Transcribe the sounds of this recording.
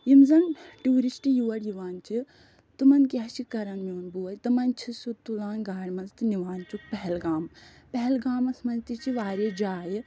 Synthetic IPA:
jimzɐnʈuːɾisʈijuːɐɽjiʋaːnt͡ʃʰi | t̪ɨmɐnkʲaːt͡ʃikɐɾɐnmoːnbuɐjt̪ɨmɐnt͡ʃʰisut̪ːulaːnɡaːɽmɐnzt̪ɨniʋaːnt͡ʃuk̚pɐɦɛlɡaːm | pɛɦɛlɡaːmɐsmɐnzt̪it͡ʃʰiʋaːɾid͡ʒaːji

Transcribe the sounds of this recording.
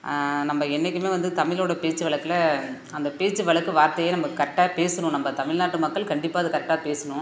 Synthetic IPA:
nɐmbɐɛnːɛk̬ʲːɯmeːʋɐnd̪ɯt̪ɐmɪloːɽɐpeːt͡ʃːɯʋɐɭɐkːɯlɐ | ɐnd̪ɐpeːt͡ʃːɯʋɐɭɐkːɯʋaːɾt̪ɐjeːnɐmbɐkɐʈːaːpeːsɐɳʊ̃nɐmbɐt̪ɐmɪɭnaːʈːɯmɐkːɐɭkɐɳɖɪpːaːɐðɯkɐʈːaːpeːsɐɳʊ̃

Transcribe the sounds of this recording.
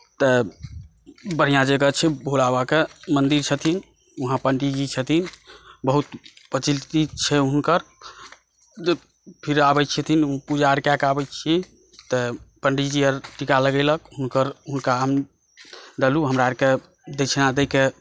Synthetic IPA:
t̪ə | bəɽ̤ijãd͡ʒəɡət͡ʃʰɛbʱolabakemənd̪iɾt͡ʃʰət̪ʰin | uɦãpəɳɖid͡ʒit͡ʃʰət̪ʰinbəɦut̪pət͡ʃilt̪it͡ʃʰɛunkəɾ | pʰiɾabət͡ʃʰət̪ʰinupud͡ʒaɾkakabɛt͡ʃʰɛ | t̪əpəɳɖid͡ʒiəɾʈikaləɡəɪlək̚unkəɾunkaɦəm | d̪eluɦəmɾaɾke | d̪et͡ʃʰnad̪ɛke

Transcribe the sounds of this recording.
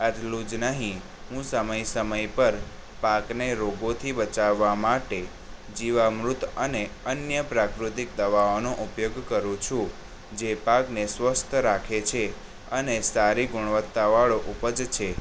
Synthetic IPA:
ət̪lud͡ʒnəɦĩ | ɦũsəməjsəməjpəɾ | pakneɾoɡot̪ʰibət͡ʃaʋːamaʈe | d͡ʒiʋamɾut̪əneənjəpɾakɾut̪ik̚d̪əʋaonoʔupjoɡkəɾũt͡ʃʰũ | d͡ʒepaknesʋəst̪ʰɾakʰet͡ʃʰe | ənesaɾiɡʊɽ̃ʋət̪ːaʋaɭoʔupəd͡ʒt͡ʃʰe

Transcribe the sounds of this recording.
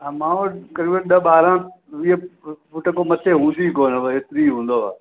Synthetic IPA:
mãːokɐɾiːbənɗɐɓaːɾãːʋiefʊʈəkomɐt̪ʰeɦũːnd̪ikoːnəʋest̪ɾiɦũːn̆d̪oa̰ː

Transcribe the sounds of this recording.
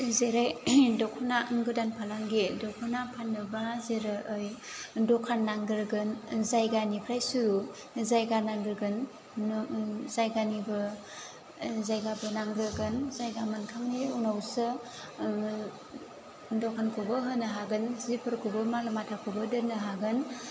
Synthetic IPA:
zeɾajdɔkʰɔnaŋɡɯdanpʰalaŋɡedɔkʰanapʰanːɯbazeɾɯʔɯjdɔkʰanːaŋɡɯɾɡɯnzajɡanipʰɾajsuɾu | zajɡanaŋɡɯɾɡɯn | zajɡanibɯ | zajɡabɯnaŋɡɾɯɡɯnzajɡamankʰaŋniunawsɯ | dɔkʰankʰubɯɦɯnɯɦaɡɯnzipʰɯɾkʰubɯmalɯmatʰakʰubɯdɯnɯɦaɡɯn

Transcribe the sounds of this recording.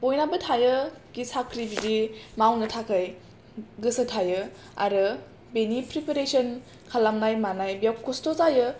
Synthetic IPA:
b̥ojnabɯtʰajəɡ̥isakʰɾibidimawnɯtʰakʰaj | ɡɯsɯtʰajɯ | a̰ɾɯ | benipɾipeɾesɔn | kʰalamnajmanajbijawkːostozajɯ

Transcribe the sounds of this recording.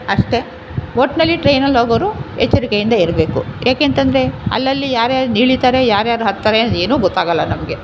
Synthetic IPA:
ɐʂʈe̞ | oʈnɐlːiʈɾejnɐlɦoːɡɐʋɾuet͡ʃːuɾikejind̪ɐiɾɐbe̞ːkujaːkeːnt̪ɐnd̪ɐɾe̞ɐ̰lːɐlːijaːɾjaːɾuniːɭit̪aːɾejaːɾjaːɾuɦɐt̪ːaːɾenɐd̪e̞ːnuːɡɔt̪ːaːɡɐlːɐnɐmɡe̞

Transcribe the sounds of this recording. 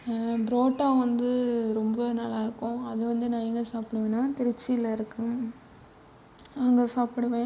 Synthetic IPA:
bɪɾoːʈːaːʋɐnd̪ɯɾɔmbɐnɐlːaːɪɾɯkːʊ̃ɐðɯʋɐnd̪ɯnãːɪŋɡɐsaːpɪɽɐʋẽːnːãːt̪ɛɾɪt͡ʃːɪɪlɐɪɾɯkːɯ | ɐŋɡesaːpɪɽɐʋẽː

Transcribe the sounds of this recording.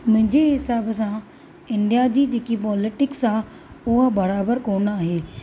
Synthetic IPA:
mɪ̃ɲd͡ʒeːɦɪsaːbəs̬ãː | ɪɳɖijaːd͡ʒiːd͡ʒeːkiːpɔːlɪʈɪksãː | ʊɦabəɾaːbəɾkoːɳaːɦeː

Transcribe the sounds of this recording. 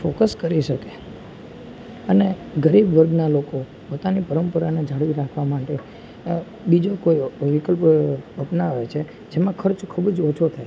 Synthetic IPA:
fokəskəɾiʃəke̥ | əneɡəɾibʋəɾɡnaloko | pot̪anipəɾəmpəɾaned͡ʒʱaɽʋiɾakʰʋamaʈe | bid͡ʒokoiʋikəlpəpnaʋet͡ʃʰe | d͡ʒemãkʰəɾt͡ʃkʰubd͡ʒot͡ʃʰot̪ʰae

